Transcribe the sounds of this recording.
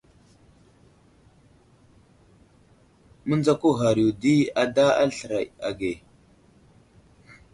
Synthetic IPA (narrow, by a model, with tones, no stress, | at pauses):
mə˦nd͡za˦ku˦ɦa˨ɾi˨u˨di˦a˨da˦a̰˦lɬə˨ɾa˨ja̰˨ɡe˨